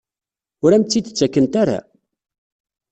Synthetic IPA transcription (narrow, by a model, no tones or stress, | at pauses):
ʊɾæmt͡sːid̪t͡sːækːənt̪aɾa̰